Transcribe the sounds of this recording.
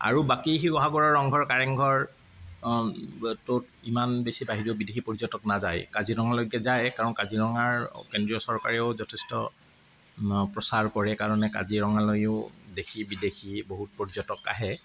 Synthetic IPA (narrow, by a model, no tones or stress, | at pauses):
a̰ɹubakiɦibɔɦaɡɔɹɔɹɔŋɡʱɔɹkaɹɛŋɡʱɔɹ | tʊt | imanbesibaɦiɹioʊbidexipoɹizɔtɔk̚nazajkaziɹɔŋalojɡɛzajkaɹɔnkaziɹɔŋaɹkendɹiɔsɔɹkaɹɛʊzɔtʰɛstɔ̰ | pɹɔsaɹkɔɹɛkaɹɔnɛka̰ziɹɔŋalojʊʊdexʰibidexʰiboɦut̚pɔɹizɔtɔka̰ɦɛ